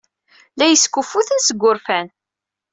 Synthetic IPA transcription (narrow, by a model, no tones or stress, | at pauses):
læjəskːufːuθənsəɡʷːʊɾfæn